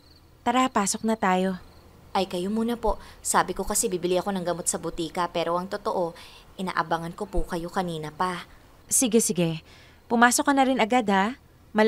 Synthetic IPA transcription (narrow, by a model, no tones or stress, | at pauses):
p̪ɐɾɐhɐpaːso̞k̚nɐt̪aːjo̞ | ʔɐjkɐjomuːnɐpo̞ʔsaːbɪko̞kɐsɛbiːbɪlɪʔɐko̞nɐŋɡɐmo̞t̪̚sɐbʊt̪iːkɐpɛːɾo̞ʔɐŋt̪ot̪o̞ʔo̞ | ʔɪna̰ːʔɐbaŋɐnko̞pʊkɐjo̞kɐniːnɐpɐ | sɪɡɛsɪɡɛ | pʊmaːsokːɐnɐɾɪnʔɐɡad̪ha | mɐl